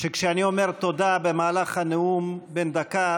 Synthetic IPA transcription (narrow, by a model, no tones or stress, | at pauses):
ʃekʃeaniomeʁt̪od̪abemaːlaχhaneumbend̪aka